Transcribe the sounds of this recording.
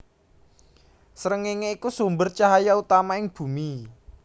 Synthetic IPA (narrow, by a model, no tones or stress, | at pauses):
səɾəŋeŋeikusumbərt͡ʃaɦajaut̪amaɪŋb̥ṳmi